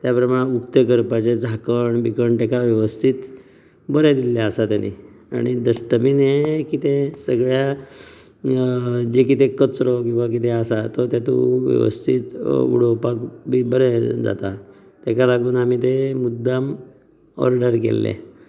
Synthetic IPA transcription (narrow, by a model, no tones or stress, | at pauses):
t̪japəɾəmaɽukt̪əkəɾpat͡ɕed͡zʱakəɳbikəɳʈ̪ɛkaʋjəʋəst̪ʰit̪ | bəɾɛd̪ilːaəsat̪janḭ | a̰ɽ̃id̪əɕʈ̪əpinekit̪esəɡɭja | d͡ʑekit̪ekət͡sɾɔkĩw̃ʋak̬it̪easat̪ɔt̪jat̪ṵ̃ʋjə̰ʋə̰st̪ʰit̪ṵɽ̤opakbibəɾɛd͡za̰t̪a | t̪ekalaɡuːnamiːt̪emud̪ːam | ɔ̰ɾɖəɾkḛlːḛ